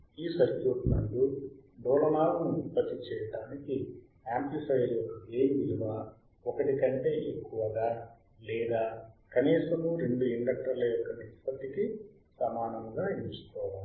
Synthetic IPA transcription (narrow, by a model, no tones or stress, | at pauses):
iːsɐɾkjuːʈnɐnd̪uɖɔːlɐmaːɾɐmipːɐt̪ːit͡ʃɛːjɐʈaːniki | aːmplifɐjɾjɔkːɐeːmiliʋaː | ɔkɐʈikɐɳʈe̞ːʔekːuʋɐɡaː | lɛːd̪aːkɐniːsɐmuɾe̞ɳɖuiɳɖɐk̚ʈɐɾlɐjɔkːɐnit̪i̥pɐt̪ːiki | sɐmaːnɐŋɡaːiust̪oː